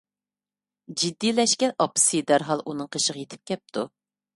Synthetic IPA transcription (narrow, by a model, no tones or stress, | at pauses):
d͡ʒid̪ːijlɛʃkʲɛʔɑpɨ̥sid̪æɾɦɑlˠʔunɨŋqʰəʃəʁəjet̪ʰɪ̥p̚kʲɛp̚t̪ʰu